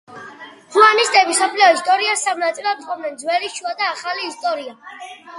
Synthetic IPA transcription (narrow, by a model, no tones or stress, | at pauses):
huanist̪ʼɛbisɔpʰliɔist̪ʼɔɾiasamnat̪sʼilˠat̪χʰɔmnɛnd̪zwɛliʃuad̪aːχaliːst̪ʼɔɾia